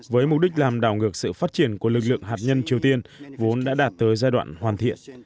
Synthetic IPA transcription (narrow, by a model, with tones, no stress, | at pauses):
vəː˨˦jmʊ˨˩k͡p̚ɗï˦˥k̟̚laː˨˩mɗaː˧˩wŋɨ˨˩ək̚sɨ̰˧˨faː˦˥t̚t͡ɕi˧˩ənku˧˩əlɨ˨˩k̚lɨ̰˧˨əŋɦaː˨˩t̚ɲə˧nt͡ɕi˨˩əwt̪i˧ənvo˨˦nɗa̰ː˧˥ɗaː˨˩t̚t̪əː˨˦jzaː˧jɗwa̰ː˧˨nhwaː˨˩nt̪ʰḭ˧˨ən